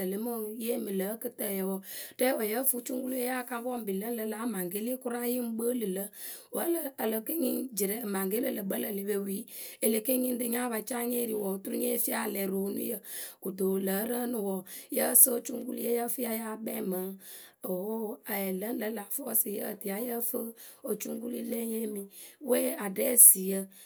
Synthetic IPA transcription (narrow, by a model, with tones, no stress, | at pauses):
ə˨lə˨˦mo˦je˦mɨ˨lə˨˦kɨ˦tə˦˨jə˨wɔ˨tɛ˦wo˨jə˦fu˦t͡ʃu˦ŋ˦ɡu˦lu˦je˦ja˦˨ka˦ŋ˦bɔ˦m˨bi˨lə˦n˦lə˨˦la˨˦ma˨ŋɡe˦li˦e˦ku˦ɾa˦ji˦m˦ɡ͡bə˦lɨ˨lə˦ | wə˦ləː˦˨lə˨ke˦ŋi˦nd͡ʒi˨ɾɛ˦˨ma˨ŋɡe˦lə˦˨lə˨bə˦lə˨li˨˦be˧˨wi˨˦e˨le˨ke˦ŋi˦n˦dɨ˧ɲa˦ba˨t͡ʃa˦ɲe˦˨ɾi˨wɔ˨tu˦ɾu˦ɲe˦fi˦a˦˨lɛ˨ɾo˨˦nṵ˦jə˨ku˨do˨lə˨˦ɾə˦nu˨wɔ˨jə˦sə˦o˦t͡ʃu˦ŋ˦ɡu˦li˦jə˦jə˦fi˦a˦ja˦bɛ˦mə˨˦ | o˨˦a˨ɛ˨lə˦n̩˦lə˨˦la˨fɔ˦si˨jə˦ə̰˨ti˨a˨jə˦fə˦o˨t͡ʃu˦ŋ˦ɡu˦li˦le˦ɲe˦mi˨wɛ˦a˨dɛ˦˨si˨jə˦